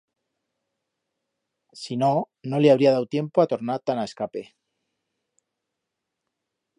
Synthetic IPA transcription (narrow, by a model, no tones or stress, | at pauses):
sino | no̞leaβɾiaðawt̪je̞mpoat̪oɾnat̪anaeskape